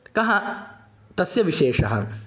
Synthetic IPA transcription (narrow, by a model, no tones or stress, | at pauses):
kɐɦɐ̃ | t̪ɐsjɐʋiʃeːʂɐɦɐ̰